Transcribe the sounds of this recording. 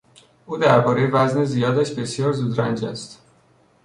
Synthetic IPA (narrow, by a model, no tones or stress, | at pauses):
ʔuːd̪æɾbɒːɾe̞jevæznezijɒːd̪æʃbe̞sjɒːɾzuːd̪ɾænd͡ʒæst̪